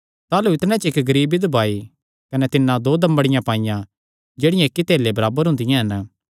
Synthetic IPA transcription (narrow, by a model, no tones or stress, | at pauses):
t̪aːluɪt̪ɽ̃ɛ̃t͡ʃɪkɡɐɾiːbid̪ɐbʱaːi | kɐnɛt̪ɪnːãd̪oːd̪ɐ̃mbəɽɪjãpãːɪjã | d͡ʒeːɽɪjãekːit̪eːlebɐɾaːbəɾɦʊ̃nd̪ɪjãɦɐn